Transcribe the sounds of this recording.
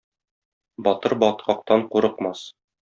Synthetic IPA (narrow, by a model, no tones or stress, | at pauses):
bɒt̪ɤɾbɒt̪̚qɑq̚t̪ɑɴquɾɤ̆qmɑs